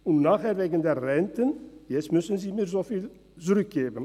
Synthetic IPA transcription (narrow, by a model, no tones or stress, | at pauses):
unnaːχɛːrʋeːɡəndɛrrɛntənjɛstmʏsənziːmiːrzoːfiːl | t͡srʏk̚ɡeːvən